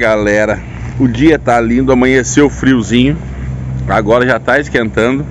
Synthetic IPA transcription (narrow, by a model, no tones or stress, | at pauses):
ɡalɛɾɐ | ʊd͡ʒiɐt̪alĩnd̪ʊɐmɐ̃ɲeseʊfɾiwzĩɲʊ | a̰ɡɔɾɐʒat̪aɪskẽnt̪ɐ̃nd̪ʊ